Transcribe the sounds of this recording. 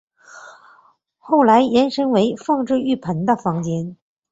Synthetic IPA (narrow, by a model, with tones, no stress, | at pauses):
xo˥˩ʊla˧˥ɪjɛ˧˥nʂɤ˥ŋwe˧˥ɪfɑ˥˧ŋʈ͡ʂɻ̩˥˧y˥˩pʰə˧˥nd̪ə˧fɑ˧˥ŋt͡ɕjɛ˧˥n